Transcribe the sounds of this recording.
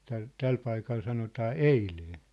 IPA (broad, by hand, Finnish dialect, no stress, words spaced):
tæl tæl pɑikɑl sɑnotɑː eileː